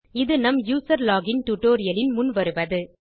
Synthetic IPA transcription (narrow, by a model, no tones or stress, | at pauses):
ɪðɯnɐmjuːsɐɾlaːɣɪnʈʊʈoːɾɪjɐlɪnmʊnʋɐɾɯʋɐðɯ